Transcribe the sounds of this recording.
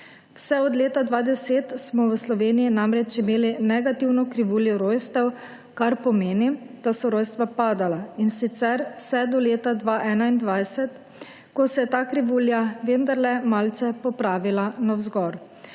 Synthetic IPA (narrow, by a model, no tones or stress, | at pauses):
wsɛɔd̪leːt̪ad̪ʋaːd̪ɛseːt̪smɔwəslɔʋeːnijinamɾɛt͡ʃimeːlinɛɡat̪iwnɔkɾiʋuːljɔɾoːjst̪ɛw | kaɾpɔmeːnid̪̥asɔɾoːjst̪ʋapaːd̪alainsit̪sɛɾwsɛd̪ɔleːt̪ad̪ʋaːʔɛːnaind̪ʋajsɛt̪ | kɔsɛjɛt̪aːkɾiʋuːljaʋend̪aɾlɛmaːlt̪sɛpɔpɾaːʋilanawzɡɔɾ